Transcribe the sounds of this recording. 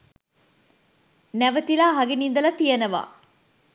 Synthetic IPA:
næʋət̪ilaːɦɐɡinind̪əlɐt̪ijɐnəʋa̰ː

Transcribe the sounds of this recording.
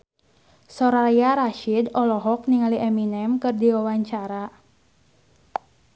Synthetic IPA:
sɔɾajaɾaʃidɔlɔɦɔk̚niŋaliʔɛminɛmkɨrdiwawaɲt͡ʃaɾa

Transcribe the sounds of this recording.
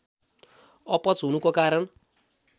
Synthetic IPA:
ɔpɔt͡sɦunukokaɾʌn

